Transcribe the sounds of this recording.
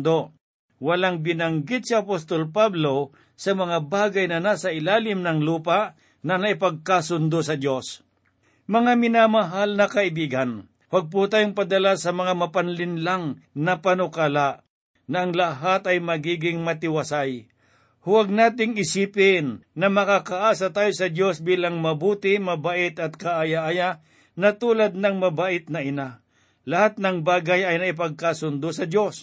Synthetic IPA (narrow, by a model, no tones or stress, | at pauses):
d̪o | wɐlaŋbɪnɐŋɡɪt̪̚siɐpost̪olpablo̞ | sɐmɐŋabaːɡɐjnɐnaːsɐʔɪlaːlɪmnɐŋluːpaʔ | nɐnɐʔɪpɐɡ̚kasʊnd̪osɐd̪jos | mɐŋamɪnamɐɦalnɐkɐʔɪbiːɡɐn | waɡ̚p̬ut̪aːjʊŋpɐd̪ɐlasɐmɐŋamɐpanlɪnlaŋnɐpanʊkaːlaʔ | nɐʔɐŋlaɦat̪ɐjmɐɡiːɡɪŋmɐt̪ɪwasaj | hʊwaɡ̚naːt̪ɪŋɪsiːpɪnːɐmɐkakɐʔaːsat̪aːjosɐd̪jo̞sbiːlaŋmɐbuːt̪ɪmɐbaʔɪt̪ɐt̪̚kaʔajaʔaja | nɐt̪uːlad̪̚nɐŋmɐbaːʔɪt̪̚nɐɪna | lɐhat̪̚nɐŋbaːɡajɐjnɐʔɪp̬ɐɡ̚kasʊnd̪ʊsɐd̪jo̞s